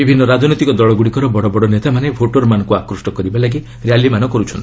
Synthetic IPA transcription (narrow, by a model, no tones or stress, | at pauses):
bibʱinːɔɾad͡ʒnɔt̪ikɔd̪ɔɭɔɡuɽikɔɾɔbɔɽɔbɔɽɔnet̪amanepʰoʈoɾmanɔ̃ŋkuakɾɔsʈɔkɔɾibalaɡi | ɾjalːimanɔkɔɾut͡ʃʰɔnt̪i